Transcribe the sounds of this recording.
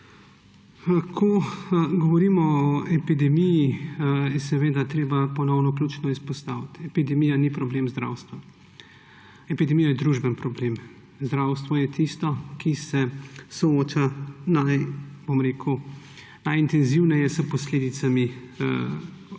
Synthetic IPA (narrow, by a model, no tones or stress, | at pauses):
akʰɔɡɔʋɔɾiːmɔɔɛpid̪ɛmijijɛsɛʋeːd̪at̪ɾeːbapɔnɔwnɔklʲuːt͡ʃnɔispɔst̪aːwit̪ɛpid̪ɛmijanipɾɔbleːmzd̪ɾa̰wst̪ʋa | ɛpid̪ɛmijajɛd̪ɾuʒbənpɾɔbleːm | zd̪ɾaːwst̪ʋɔjɛt̪ist̪ɔkisɛsɔoːt͡ʃanajb̥omɾeːkʰu | najint̪ɛnziwnɛjɛsəpɔsleːd̪it̪sami